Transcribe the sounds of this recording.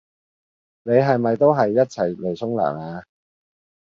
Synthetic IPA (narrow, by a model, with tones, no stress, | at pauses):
ne˨˧jɦɐ˨jmɐ˨jt̪o˥wɦɐ˨jːɐ˥t̚t͡sʰɐ˨˩jle˨˩jsʰʊ˥ŋla̰ː˨˩kaː˨˧